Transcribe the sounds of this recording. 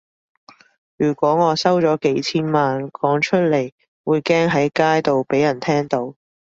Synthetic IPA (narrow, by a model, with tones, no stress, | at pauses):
jyː˨˩kʷɔː˨˥ŋɔː˨˧sɐ˥wt͡ʃɔː˨˥ke˨˥jt͡sʰiː˥nmaː˨nkʰɔː˨˥ŋt͡ʃʰɵ˥t̚le˨˩j | wuː˨˧jkɛː˥ŋɦɐ˨˥jkaː˥jt̪o˨wpe˨˥jɐ˨˩nt̪ʰɛː˥ŋt̪o˨˥w